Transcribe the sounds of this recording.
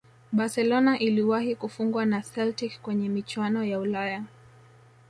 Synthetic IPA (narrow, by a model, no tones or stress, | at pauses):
ɓasɛlɔnaʔiliwahikufuŋɡwanasɛltikkwɛɲɛmit͡ʃwanɔjaulaja